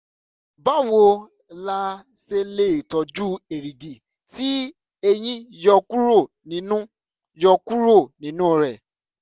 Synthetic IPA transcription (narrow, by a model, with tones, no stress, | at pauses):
ba˦˨wo˧ | la˧se˧le˦˨tɔ˨˦d͡ʒu˦e˨ɾi˨ɡi˨ | ti˦ | e˧j̃ĩ˦jɔ˧ku˦ɾo˦˨ | nĩ˨˦nũ˦ | jɔ˧ku˦ɾo˦˨nĩ˨˦nũ˦˨ɾɛ˨